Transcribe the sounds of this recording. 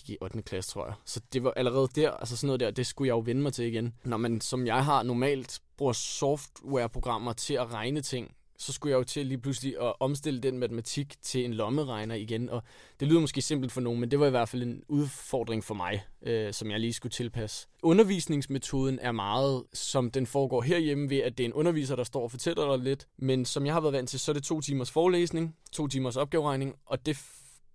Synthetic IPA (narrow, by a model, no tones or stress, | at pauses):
iʔɒ̽d̥nəkʰlæst͡sʰʁo̝ɐ̰jäsɒ̽d̥e̝ʋɑ̈ʔæləʁɛ̰ːð̞̩ˠd̥æɐ̰æls̬əsɒnːɔð̩ˠdæɐd̥e̝sɡ̥ujɑ̈ɪjo̝ʋenəmɑ̈ɪt͡sʰe̝liɡ̥ennɒmensɒ̽mjɑ̈ɪɦɑ̈nɒmɛ̰ːld̥b̥ʁuɐsɒfd̥weɐpʰʁo̝ɡ̥ʁɑ̈m̰ɐt͡sʰe̝æʁɑ̈ɪnət͡sʰe̝ŋ̰ | sɒ̽sɡ̥ujɑ̈ɪjo̝t͡sʰe̝liːpʰl̥usliʔɒ̽ʔɒ̽ms̬d̥e̝ləd̥enmæt͡sʰəmæt͡sʰiɡ̥t͡sʰe̝le̝nlɒ̽məʁɑ̈ɪnɐiɡ̥enɒ̽d̥e̝lyːð̰ˠɐmɔsɡ̥e̝̰ːse̝m̰b̥l̩d̥fɒ̽no̝ːn̩mend̥e̝ʋɑ̈iʋæɐ̰dfæl̰e̝nuðˠfɒ̰ːd̥ʁeŋfɒ̽mɑ̈ɪøsɒ̽mjɑ̈ɪliːsɡ̥ut͡sʰe̝lpʰæsə̥ʔɔ̽nɐʋḭːsne̝ŋsmet͡sʰo̝ːð̞ˠn̩ʔæɐmɑ̈ːð̩ˠsɒ̽md̥enfɒːɡ̥ɒ̰ːɦeɐ̰jeməʋe̝æd̥e̝enʔɔ̽nɐʋḭːs̬ɐɾ̥ɑ̈sd̥ɒ̰ːɒfɒ̽t͡sʰel̰ɐd̥ɑ̈le̝d̥mensɒ̽mjɑɪhɑ̈ʋæːɐðˠʋæn̰d̥t͡sʰe̝lsɒ̽æɐɾ̥e̝t͡sʰo̝̰ːt͡sʰiːmɐsfɒːlḛːsne̝ŋt͡sʰo̝̰ːt͡sʰiːmɐsɒ̽b̥ɡ̥ɛːʊʁɑ̈ɪne̝ŋʔɒ̽d̥e̝